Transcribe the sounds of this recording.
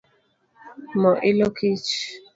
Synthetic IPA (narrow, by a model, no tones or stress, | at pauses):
mɔʔɪlɔkʰit͡ʃ